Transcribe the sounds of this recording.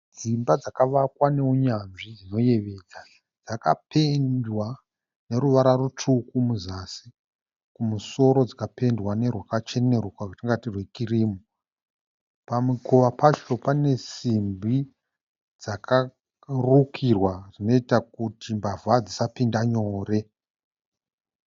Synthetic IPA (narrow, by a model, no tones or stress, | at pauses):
d͡zimbad͡zakaʋakwane̞uɲanʐid͡zino̞je̞ʋe̞d͡za | d͡zaka̰pendwa | ne̞ɾuʋaɾarut͡ʂʰukumuzaːsi | kumuso̞ɾo̞d͡zakape̞ndwane̞rwakat͡ʃe̞ne̞rukwakatiŋɡatirwekiriːmo | pamukʰuʋapat͡ʃo̞pane̞simbi | d͡zakʰa | rukʰirwarino̞itakutimbavad͡zisapindaɲo̞ːre̞